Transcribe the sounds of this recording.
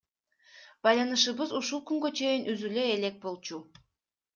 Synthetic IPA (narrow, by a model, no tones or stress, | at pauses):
b̥ɑjlˠɑnɯʃɯβɯzuʃulˠkyŋɡø̞t͡ʃʰe̞jinʔyzyløele̞k̚bo̞lˠt͡ʃu